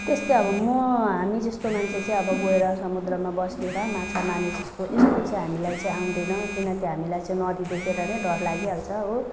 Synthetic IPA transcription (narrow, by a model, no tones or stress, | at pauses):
t̪est̪ẽʌbʌmʌɦamid͡zʌst̪omant͡sʰet͡sãĩʌbʌɡoeɾʌsʌmud̪ɾʌmabʌsneɾʌmãt͡sʰamanid͡zʌst̪oʔesk̪ot͡saĩɦamilajt͡sʌ̃ĩaw̃nd̪ʌnʌw̃kinʌk̪iɦamilajt͡sãĩnʌd̪id̪ekʰeɾʌnʌjɖʌɾlaɡiɦalt͡sʰʌɦo